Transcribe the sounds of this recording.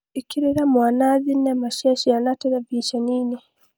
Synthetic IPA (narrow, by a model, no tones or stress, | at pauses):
ikiɾiɾamwaːnaðinemaʃaʃianateɾaviʃaniːni